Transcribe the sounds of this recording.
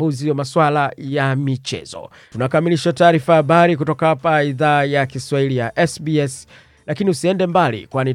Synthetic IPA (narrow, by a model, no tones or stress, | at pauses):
uziwamaswalajamit͡ʃɛ̰z̥ɔ̰ | tunakamiliʃataːɾifahaɓaɾik̬utɔkahapaiðaːjakiswahilijaʔɛsbiɛs | lakiniusiɛndɛmbalḭkwani